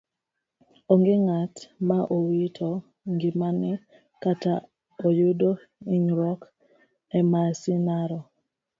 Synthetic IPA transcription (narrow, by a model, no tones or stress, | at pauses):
oŋɡeŋatmaʔowitʰo | ŋɡimanɪ | kata | ojudo | iɲɾɔk | ɛmasinaɾɔ